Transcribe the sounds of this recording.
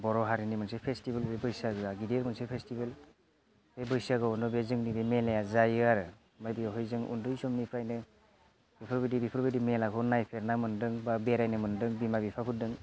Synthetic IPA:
bɔɾɔɦaɾinimɯnsepʰestibɯlbebɯjsaɡɯaɡideɾmɯnsepʰestibel | b̥ebɯjsaɡɯɔndɔbezɯŋnibemelejazajaɾɯ | majbijɦɔjzɯŋʔṵndɯjzɔmnipʰɾajnɯ | bipʰɯɾbidibipʰɯɾbidimelakʰɔnajpʰeɾnamɯndɯŋbabeɾajnɯmɯndɯŋbimabipʰakʰudɯŋ

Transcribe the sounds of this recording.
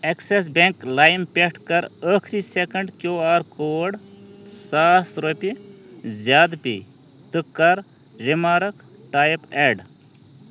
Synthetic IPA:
eksesbeŋklaːjmpʲeʈʰkɐɾəkʰɾisekɐɳɖkjoːaːɾkoːɖ | saːsɾopi | zjaːd̪pḭ | t̪ɨkːɐɾ | ɾimaːɾɐk | ʈaːjpeːɖ

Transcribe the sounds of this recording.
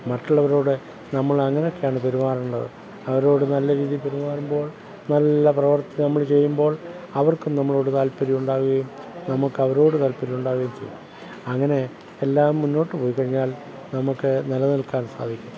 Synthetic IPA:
mɐʈːuɭːɐʋɐɾo̞ːɽɨ | nɐmːɐɭɐŋːɐnejo̞kːejaːɳɨpe̞ɾimaːɾɐmuɳɖɐðɨ̰ | ɐʋɐɾo̞ːɽɨnɐlːɐɾiːðijpe̞ɾimaːɾumbo̞ːɭ | nɐlːɐprɐʋɐrt̪ːɐnɐmːɐɭt͡ɕe̞jːumbo̞ːɭ | ɐʋɐrkumnɐmːɐɭo̞ːɽɨt̪aːlpːɐɾijuɳɖaːɣuɣɐjum | nɐmukːɐʋɐɾo̞ːɽɨt̪aːlpːɐɾijuɳɖaːɣuɣɐjumt͡ɕejːu | ɐŋːɐne̞ | elːaːmːunːo̞ːʈːɨpo̞ːjikːɐɻiɲːaːl | nɐmukːɨnɐlɐnilkaːnsa̰ːd̪ʱikʲːum

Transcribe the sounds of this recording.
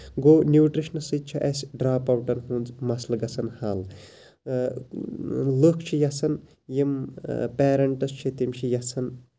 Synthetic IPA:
ɡoːnʲjuːʈɾiʃnɐsɨt̪̚t͡ʃʰɐʔɐsʲɖɾaːpɐwʈɐnɦũnzmɐslɡɐsʰɐnhaːl | lɨkʰt͡ʃʰijɐsɐn | jimpeːɾɐɳʈɐst͡ʃʰit̪imt͡ʃʰijɐsʰɐn

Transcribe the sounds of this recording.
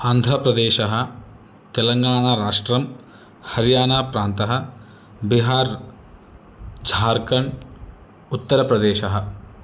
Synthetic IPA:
aːnd̪ʱɾɐpɾɐd̪eːʃɐɦɐ̆ | t̪elɐŋɡaːɳaːɾaːʂʈɾɐm | hɐɾjaːnaːpɾaːnt̪ɐɦɐ̆ | biɦaːɾ | d͡ʒʱaːɾkɐɳ | ut̪ːɐɾɐpɾɐd̪eːʃɐɦɐ̆

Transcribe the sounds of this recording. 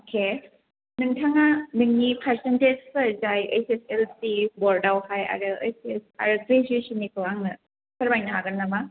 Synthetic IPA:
okʰe | nɯŋtʰaŋanɯŋnipʰaɾsented͡ʒsɐɾzajḛjseselsibɔɾdawhaja̰ɾɯejsesa̰ɾɯkɾezesinikʰɯwaŋnɯ | sɐɾbajnɯɦaɡɯnnːama

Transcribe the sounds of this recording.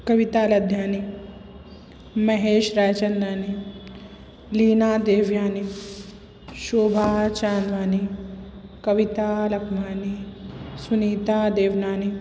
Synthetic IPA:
kɐʋit̪aːlɐd̪ʱjaːni | mɐɦeːʃɾaːt͡ʃɐnːaːni | liːnaːd̪eːʋjaːni | ʃoːbʱaːt͡ʃaːnʋaːni | kɐʋit̪aːlɐkʰmaːnisuniːt̪aːd̪eːʋnaːni

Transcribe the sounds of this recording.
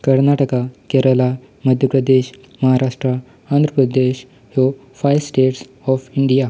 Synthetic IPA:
kəɾnaʈəkakɛɾəla | məd̪ʱjəpɾəd̪eɕ | məɦaɾaʂʈɾa | and̪ʱɾəpɾəd̪eɕ | ho | fajsʈeʈs | ɔfiɳɖija

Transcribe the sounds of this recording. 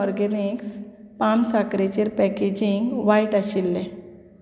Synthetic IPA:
ɔɾɡɛniks | pamsakɾet͡ɕeɾpɛked͡ʑiŋɡʋaiʈaɕilːe

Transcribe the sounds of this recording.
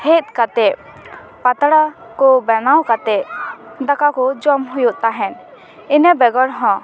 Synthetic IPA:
het̪̚ˀkat̪ɛʔ | pat̪ɽa | kɔbɛnawkat̪ɛd̪akakɔd͡ʒɔmɦujuʔt̪aɦɛn | inɛbɛɡɔɽɦɔ̃

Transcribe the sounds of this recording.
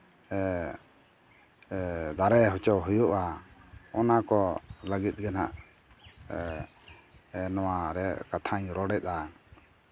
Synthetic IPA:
ɛ | d̪aɾɛɦɔt͡ʃɔɦujuʔa | ɔnakɔləɡit̪̚ˀɡanaʔ | nɔwaɾɛkat̪ʰaɲɾɔɽɛt̪̚ˀa

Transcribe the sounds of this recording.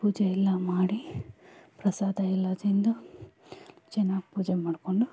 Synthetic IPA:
puːd͡ʒeilːɐmaːɽi | pɾɐsaːd̪ɐɛlːad̪ɾind̪u | t͡ʃɛnːaːɡipuːd͡ʒemaːɽkoɳɖu

